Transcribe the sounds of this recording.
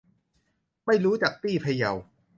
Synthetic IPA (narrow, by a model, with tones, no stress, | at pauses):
ma˥˩jɾuː˦˥t͡ɕaː˨˩k̚t̪iː˥˩pʰa˧ja̰˨˩w